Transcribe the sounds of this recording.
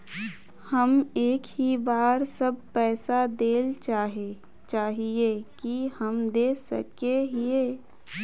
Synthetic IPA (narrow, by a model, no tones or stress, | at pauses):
hɐmeːkɦibaːɾsəb̚pɛːsad̪eːlt͡ʃaːɦe | t͡ʃaːɦiekihəmd̪eːsə̰keɦie